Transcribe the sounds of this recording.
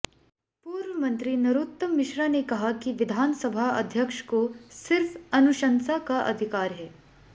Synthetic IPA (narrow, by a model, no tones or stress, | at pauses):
puːɾʋəmɐnt̪ɾinɐɾut̪ːəmɪʃɾanekɐɦakiʋɪd̪ʱaːnsɐbʱaʔɐ̰d̪ʱjəkʂkosɪɾfɐnuʃɐnsakaʔɐ̰d̪ʱikaːɾɦɛː